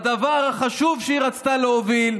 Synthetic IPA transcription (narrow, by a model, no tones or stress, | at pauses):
d̪avaʁhaχaʃuvʃeiʁat͡st̪aleovil